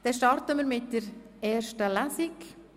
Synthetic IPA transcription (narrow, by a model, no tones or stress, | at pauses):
d̪̥ɛʃtɑɾtəməɾmɪt̚d̥ɛɾ | ɛːɾʃtəlasɪk